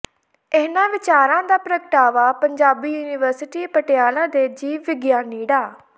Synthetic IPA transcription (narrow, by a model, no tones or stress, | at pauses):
eːnãːʋɪt͡ʃaːɾãːd̪aːpɾəkəʈaːʋaːpəɲd͡ʒaːbiːjuːnɪʋəɾsɪʈiːpəʈɪjaːlãːd̪eːd͡ʒiːʋɪɡjaːniːɽaː